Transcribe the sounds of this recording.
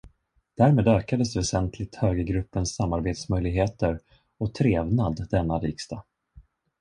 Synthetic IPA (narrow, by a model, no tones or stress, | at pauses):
d̪̥æɾmeːd̪øːkad̪əsd̪ɛvɛsɛnt̪ʰlɪt̪høːɡəɡɾɵpːənsːamːaɾbeːt̪smœjlɪɡɦeːt̪əɾ | ɔt̪ʰɾeːvnad̪d̪ɛnːaɾiːkst̪a